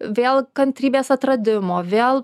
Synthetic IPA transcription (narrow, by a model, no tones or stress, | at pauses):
ʋʲeːlˠkɐnt̪ʲɾʲiːbʲeːsɐt̪ɾɐd̪ʲɪmoːʋʲeːlˠ